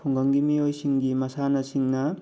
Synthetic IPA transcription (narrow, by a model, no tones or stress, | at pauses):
pʰɔŋɡɐŋɡimiojsiŋɡimɐsanɐsiŋnɐ